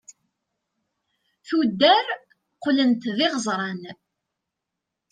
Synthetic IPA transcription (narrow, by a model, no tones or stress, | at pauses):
θud̪ːæɾ | qlənt̪ðɪʁəzˤɾˤɑn